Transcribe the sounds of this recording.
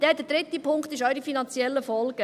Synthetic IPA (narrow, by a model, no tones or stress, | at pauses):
d̥ɛːdəd̥ɾɪt̪ːipʰʊŋkχt̪ɪʃœʏɾifinɑnt͡sjɛlːəfɔlɡə